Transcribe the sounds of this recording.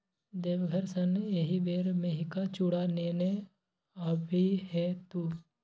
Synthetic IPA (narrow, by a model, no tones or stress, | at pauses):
d̪eːʋɡʱəɾsəneɦiʋeːɾmeɦɪkat͡ʃuɽaneːne | əbʱiɦɛt̪uː